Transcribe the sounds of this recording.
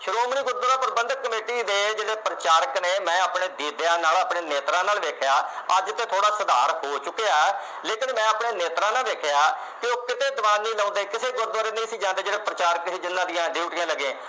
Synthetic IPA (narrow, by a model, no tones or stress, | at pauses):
ʃəɾoːmniːɡʊɾd̪ɾãːpəɾbə̃nd̪kːəmeːʈiːd̪eːd͡ʒeːɽeːpɾət͡ʃaːɾəkneːmɛ̃ːapɳeːd̪iːd̪eãːnaːləːpɳeːneːt̪ɾãːnaːlʋeːkʰejaːəd͡ʒt̪eːt̪ʰoːɽaːsəd̪aːɾhoːt͡ʃʊkːejaːɛ | leːkɪnmɛ̃ːapɳeːneːt̪ɾãːnaːʋeːkʰeaː | kɪoːkɪt̪eːd̪ʋãːnːĩːlɔ̃ːnd̪eːkɪseːɡʊɾd̪ʋaːɾeːnə̃ĩːsiːd͡ʒãːnd̪eːd͡ʒeːɽeːpəɾət͡ʃaːɾəksiːd͡ʒɪnːãːd̪ijãːɖiːʋʈɪãːləɡẽː